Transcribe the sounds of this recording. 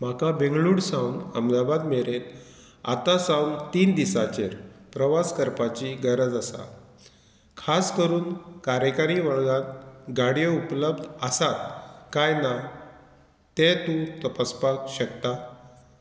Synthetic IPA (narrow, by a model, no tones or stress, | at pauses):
m̤akabẽŋɡɭuːɽsãwnə̰md̪abad̪meɾet̪ | a̰t̪asãwnt̪iːnd̪isat͡ɕeɾpɾəʋaskəɾpat͡ɕiɡəɾəd͡zəsa̰ | kʰaskəɾuːnkaɾjəkaɾiʋəɭɡãt̪ɡaɽjəupləbd̪ʱəsat̪̚kajna | t̪et̪ũt̪əpaspakɕəkt̪a